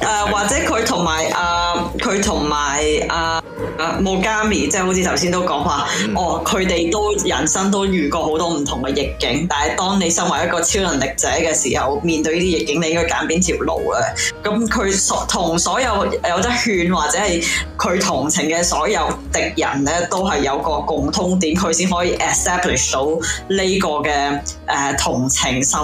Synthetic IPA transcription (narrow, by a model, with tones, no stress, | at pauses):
ʔɛː˨waː˨t̚t͡sɛː˨˥kʰɵ˨˧ɥt̪ʰʊ˨˩ŋmaː˨˩jʔaː˨˩kʰɵ˨˧ɥt̪ʰʊ˨˩ŋmaː˨˩jʔaː˨˧˨ | mo˨˧wkaː˥miː˨˩t͡sɛː˥˩ho˨˥wt͡sʰiː˨t̪ʰɐ˨˩wsi˥nt̪o˥wkɔː˨˥ŋwaː˨˧ʔɔː˨˩kʰɵ˨˧ɥt̪e˨jt̪o˥wjɐ˨˩nsɐ˥ŋt̪o˥wjyː˨˩kɔː˧ɦo˨˥wt̪ɔː˥m̩˨˩t̪ʰʊ˨˩ŋkɛ˧jɪ˨kːɪ˨˥ŋt̪aː˨nhɐ˨jt̪ɔː˥ŋne˨˧jsɐ˥ŋwɐː˨jɐ˥kɔː˧t͡sʰiː˥wlɐ˨˩nlɪ˨k̚t͡sɛː˨˥kɛː˧sḭː˨˩hɐ̰˨wmiː˨nt̪ɵ˧ɥjiː˥i˥jɪ˨kːɪ˨˥ŋne˧jɪ˥ŋkɔː˥ka̰ː˨˥npiː˥nt̪ʰiː˨˩wlo̰˨˩wlɛ˧kɐ˨˥mkʰɵ˨˧ɥsɔ˨˥t̪ʰʊ˨˩ŋsɔː˨˥jɐ˨˧wjɐ˨˧wt̪ɐ˥hyː˧nwaː˨t̚t͡sɛː˨˥hɐ˨jkʰɵ˨˧ɥt̪ʰʊ˨˩ŋt͡sʰɪ˨˩ŋkɛː˧sɔː˨˥jɐ˨˧wt̪ɪ˨k̚jɐ̰˨˩nlɛː˥t̪o˥wɦɐ˨jːɐ˨˧wkɔː˧kʊ˨ŋt̪ʰʊ˥ŋt̪iː˨˥mkʰɵ˨˧ɥsiː˥nɦɔː˨˧˥jiː˨˧ʔɛ˨st̪ɛː˥plɪ˨˩ʂt̪o˨˥wle˥jkɔː˧kɛː˧ʔɛː˨t̪ʰʊ˨˩ŋt͡sʰɪ˨˩ŋsɐ˥m